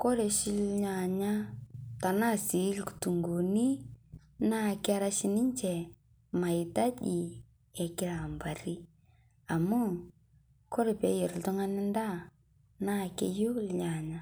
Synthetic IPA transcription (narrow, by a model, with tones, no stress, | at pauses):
ko˦ɾe˨ʃɪ˦lɲa˨ɲa˦ta˨na˦˨si˨˦lku̥˨tu˨ŋɡo˨ni˦ | na˦˨kɪ˦a˦ɾa˦ʃi˦nɪ˦ɲt͡ʃɛ˨ | ma˨ɪ˨ta˦ʄi˨ | ɛ˨kɪ˦ɾa˨mba˨ɾi˦ | a˨mu˦˨ | ko˦ɾe˨pe˨˦je˨ɾltʊ˦ŋa˦nɪ˦nda˦˨ | na˦˨kḛ˦jo˦lɲa˨ɲa˦